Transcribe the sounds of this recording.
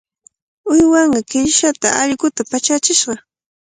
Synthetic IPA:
ʊjwaɴɢɑkɪʎʃat̪aʔaʎɢʊt̪apat͡ʃat͡ʃɪʃɢɑ

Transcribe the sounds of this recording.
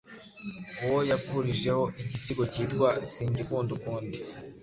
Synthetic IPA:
uwojapuɾiʒe̞ho̞iɟisiɡo̞ciːtkwasiːɲɟikuːndukuːndi

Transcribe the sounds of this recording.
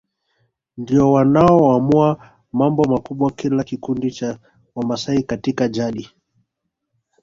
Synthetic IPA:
ndiɔwanaɔamua | mambɔmakuɓwakilakikundit͡ʃa | wamasaikatikaʄaɗi

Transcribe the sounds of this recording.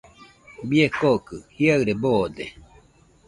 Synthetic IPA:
biekokɯhiaɨɾeboːd̪e

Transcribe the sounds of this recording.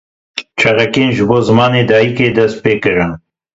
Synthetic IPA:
t͡ʃʰɐɾɐkenʒɨboːzɨmɑːneːd̪ɑːjikeːd̪ɛst̪̚peːkɨɾɨn

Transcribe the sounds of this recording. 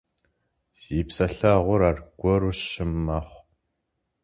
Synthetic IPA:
ziːpsɐɬaʁʷʊɾaːrɡ̥ʷɔɾʊʃɪmːɐχʷ

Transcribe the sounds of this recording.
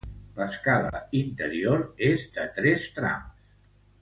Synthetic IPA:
ləskalə̰int̪əɾioɾezd̪ət̪ɾɛst̪ɾa̰ms

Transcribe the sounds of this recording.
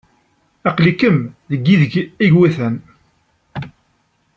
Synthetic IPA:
æqlikəmðəɡːiðəɡiɡwiθæn

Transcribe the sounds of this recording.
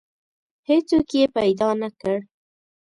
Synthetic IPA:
het͡sokjepajd̪ɑnakəɽ

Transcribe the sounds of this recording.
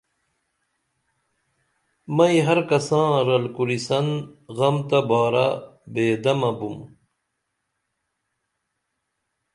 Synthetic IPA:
mɐiɦɐɾkɐsãːɾɐlkuɾisɐnɣɐmt̪ɐbaːɾa̰beːd̪ɐmɐbum

